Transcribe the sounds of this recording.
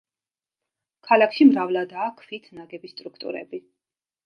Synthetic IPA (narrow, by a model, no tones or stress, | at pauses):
kʰalakʰʃimɾavlad̪aːkʰfit̪ʰnaɡɛbist̪ʼɾukʰt̪ʼṵɾɛ̰bi